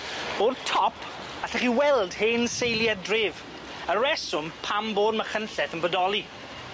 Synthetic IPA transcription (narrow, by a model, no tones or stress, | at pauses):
b̥oːd̚tʰɔpʰ | aɬaχiwɛlˠd̥heːnsejlˠjadrɪːv | əɾɛsʊmpʰamboːd̚məχənɬɛθənbədɔlˠi